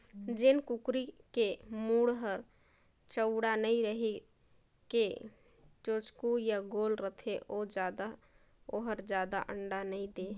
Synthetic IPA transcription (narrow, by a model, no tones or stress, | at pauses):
d͡ʒɪnkukɾikemuɽɦəɾ | t͡ʃəʊɽanəiɾəɦe | ke | t͡ʃot͡ʃkujaɡoːlɾət̪ʰeʔod͡ʒaːd̪a | oɦəɾd͡ʒjaːd̪a̰ʔəɳɖanəĩd̪e